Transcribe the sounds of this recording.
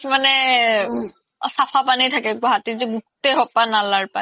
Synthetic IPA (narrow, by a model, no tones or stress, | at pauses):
manɛ | sapʰapanitʰakɛɡɔɦatizɛɡutːeɦɔpanalaɹpa